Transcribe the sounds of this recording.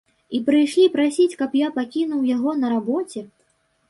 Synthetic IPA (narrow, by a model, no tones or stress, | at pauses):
ipɾɨjʂlʲipɾasʲit͡sʲkɐpjapakʲin̪uwjaɣɔnɐɾabɔt͡sʲɛ